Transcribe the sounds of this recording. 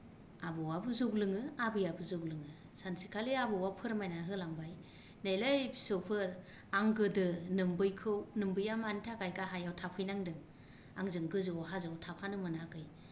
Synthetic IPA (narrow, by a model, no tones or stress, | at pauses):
abɔwabɯzuɡlɯŋɯabɯjabɯzɯɡlɯŋɯ | sansi̥kʰaliabɯwapʰɯɾmajnaɦɯlaŋbaj | najlajbi̥sɯwpʰɯɾ | aŋɡɯdɯnɯmbɯjkʰɯwnɯmbɯjamantʰakajɡaɦajawtʰapʰɯjnaŋdɯŋ | aŋzɯŋɡɯzɯɔɦazɯwtʰapʰanɯmɯnaɡɯj